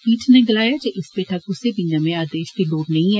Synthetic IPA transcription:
piːʈʰneɡɪlaːjaːd͡ʒeʔɪspeʈʰɐkʊsebinamẽaːd̪eːʃd̪iloːɖnɐĩɛ

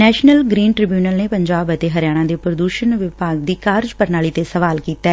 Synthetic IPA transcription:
nɛːʃnəlɡɾiːnʈɾɪbjuːnəlneːpəɲd͡ʒaːbət̪eːɦəɾjaːɽ̃ãːd̪eːpɾəd̪uːʃənʋɪpaːɡ̚d̪iːkaːɾd͡ʒpəɾnaːɭiːt̪esəʋaːlkiːt̪ɛː

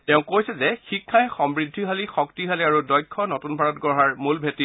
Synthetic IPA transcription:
tɛʊ̃kojsɛzɛxikʰːajxɔmɹidʱːiɦalixɔktiɦaliaɹudɔjkʰːɔnotunbʱaɹɔtɡɔɦaɹmulbʱetːi

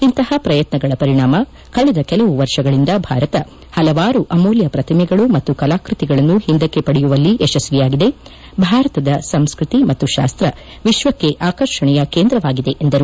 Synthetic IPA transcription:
int̪ɐhɐpɾɐjɐt̪nɐɡɐɭɐpɐɾiɳaːmɐ | kɐɭɛd̪ɐkɛlɐʋuʋɐɾʂɐɡɐɭind̪ɐbʱa̰ːɾɐt̪ɐ | hɐlɐʋaːɾuʔɐmoːljɐpɾɐt̪ʰimɛɡɐɭumɐt̪ːukɐlaːkɾut̪iɡɐɭɐnːuhind̪ɐkːe̞pɐɽɛjuʋɐlːiʔɛʃɐsʋijaːɡid̪e̞ | bʱaːɾɐt̪ɐd̪ɐsɐmskɾut̪imɐt̪ːuʃa̰ːst̪ɾɐ | ʋiʃʋɐkːe̞ʔaːkɐɾʂɐɳɛjɐke̞ːnd̪ɾɐʋaːɡid̪e̞ʔend̪ɐɾu

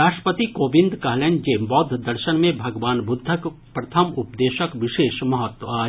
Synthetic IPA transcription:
ɾaːʃʈə̥pət̪ikoːbɪ̃nd̪kɐɦlẽnd͡ʒeːbɔːd̪ʱd̪ɐɾʃənmẽbʱɐɡʋaːnbʊd̪ʱːək | pɾɐt̪ʰəmʊpd̪eːʃəkʋɪʃeːʃmɐɦət̪wəaːɦ

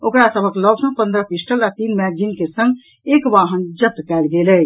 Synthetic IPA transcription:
okɾasəbʱəklɔbsə̃pə̃nd̪ɾəpisʈəlat̪inmɛd͡ʒinkesə̃ŋɡ | ekʋaɦənd͡ʒət̪ːkɛlɡelɛ

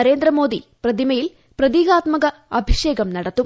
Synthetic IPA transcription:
ɐɾe̞ːnd̪ɾɐmo̞ːd̪iprɐd̪ʱimɐjil | prɐd̪iːɡaːt̪mɐɡɐɐbʱiʂe̞ːɡɐmnɐɽɐt̪ːum

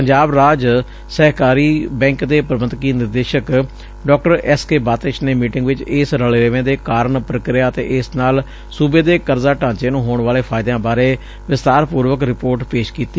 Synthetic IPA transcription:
pəɲd͡ʒaːbɾaːd͡ʒ | sɛːkaːɾiːbɛ̃ːŋkd̪eːpɾəbənkiːnɪɾd̪eːʃək | ɖɔːk̚ʈəɾɛskeːbaːt̪ɪʃneːmiːʈɪŋɡʋɪt͡ʃɪsɾəɭeːɾeʋẽːd̪eːkaːɾəɳpɾəkɾɪjaːət̪ḛːʔɪsnaːl | suːbeːd̪eːkəɾzaːʈãːt͡ʃeːnũːɦoːɳʋaːleːpʰaːɪd̪jãːbaːɾeː | ʋɪst̪aːɾpuːɾʋəkɾɪpoːɾʈpeːʃkiːt̪iː

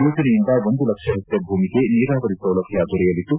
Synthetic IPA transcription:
juːt͡ʃɐnejind̪ɐʋo̞nd̪ulɐkʂɐɦɐt̪ːjɐbʱuːmike̞niːɾaːʋɐɾisɾɐwlɐɡʱjaːɡuɾɛjɐlit̪ːu

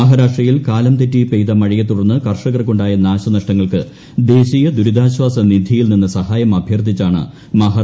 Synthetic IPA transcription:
ɐɦaːɾaːʂʈrijilkaːlɐmt̪etːipejt̪ɐmɐɻijɐt̪ːuɽɐnːɨkɐrʂɐɣɐrkoɳɖaːjɐnaːɕɐnɐʂʈɐŋːɐɭkɨ | d̪e̞ːɕijɐd̪uɾud̪ʱaːɕwaːsɐnid̪ʱijilninːɨsɐɦaːjɐmɐbʱjɐrd̪ʱit͡ɕːaːɳɨ̰ | mɐɦaː

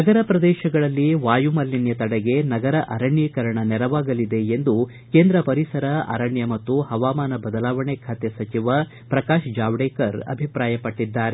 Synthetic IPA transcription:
nɐɡɐɾɐpɾɐd̪ɛːʃɐɡɐɭɐlːiʋaːjumɐlːinjɐt̪ɐɽɛɡe̞nɐɡɐɾɐʔɐɾɐɳjɐkɐɾɐɳɐnɛɾɐʋaːɡɐlid̪e̞end̪u | keːnd̪ɾɐpɐɾisɐɾɐʔɐ̰ɾɐɳjɐmɐt̪ːuhɐʋaːmaːnɐbɐd̪ɐlaːʋɐɳekʰaːt̪esɐt͡ʃiʋɐ | pɾɐkaːʃd͡ʒaːʋɽeːkɐɾɐ̰bʱipɾaːjɐpɐʈːid̪ːaːɾe

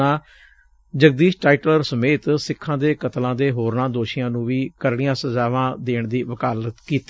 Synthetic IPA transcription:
ãː | d͡ʒəɡd̪iːʃʈaːiʈləɾsəmeːt̪sɪkʰːãːd̪eːkət̪lãːd̪eːɦoːɾnãːd̪oːʃɪjãːnũːʋiːkəɾɽɪjãːsəzaːʋãːd̪eːɳd̪iːʋəkaːlət̪kiːt̪ː

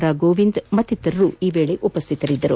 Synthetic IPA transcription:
ɾaːɡoːʋind̪mɐt̪ːit̪ːɐɾɐɾuːiːʋeːɭe̞ʔupɐst̪ʰit̪ɐɾid̪ːɐɾu

